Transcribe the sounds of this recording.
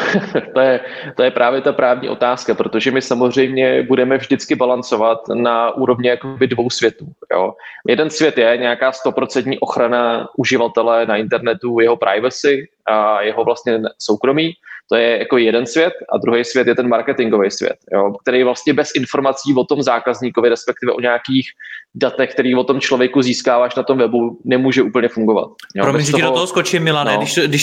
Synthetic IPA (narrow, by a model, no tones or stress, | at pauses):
t̪ojɛt̪ojɛpɾʔaːvjɛt̪apɾaːvɲḭːʔo̞̰t̪aːskapɾot̪o̞ʒɛmɪsamozr̝ɛjmɲɛbudɛmɛvʒdɪt͡skɪbalant͡so̞vat̪naʔuːɾo̞vɲɛjakobɪdvo̞wsvjɛt̪uːjo̰jɛdɛnsvjɛt̪jɛɲɛakaːst̪o̞pɾo̞t͡sɛnt̪ɲiːʔo̞xɾanaʔuʒɪvat̪ɛlɛnaɪnt̪ɛɾnɛt̪ujɛɦo̞pɾʔa̰jvasɪ | ajɛɦo̞vlast̪ɲɛsowkɾo̞miːt̪o̞jɛjakobɪjɛdɛnsvjɛt̪ʔa̰d̪ɾuɦejsvʲjɛt̪jɛt̪ɛnmaɾkɛt̪ɪŋɡo̞vejsvjɛ̰t̪jo̞̰k̚t̪ɛɾɛjvlast̪ɲɛbɛsʔɪnfo̞ɾmat͡siːvot̪o̞mzaːkazɲikovɪɾɛspɛk̚t̪ɪvɛ̰ʔoɲɛakiːxdat̪ɛxk̚t̪ɛɾiːvo̞t̪o̞mt͡ʃlo̞vjɛkuziːskaːvaːʃnat̪o̞mvɛbunɛmuːʒɛʔuːpl̩ɲɛfuŋɡo̞va̰t̪̚joɾombɛsʒt̪odooɦoskot͡ʃɪmɪlanɛdɪʃdɪʃ